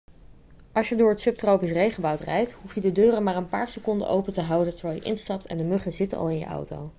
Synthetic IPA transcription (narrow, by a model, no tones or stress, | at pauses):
ʔɑlˠʃjədʊːɹɦətsɵp̚trowpisrejχəbɑwtrɛ̰jtɦufjədədøːrəmaːɹənpa̰ːɹsəkɔndə̰nʔowpəntəɦɑwdəntəɹʋɛːlˠjə̰ʔɪ̰nstɑp̚tɛ̰ndəmøχəzɪtənʔɑ̰lˠɪnjə̰ʔɑ̰wto̰w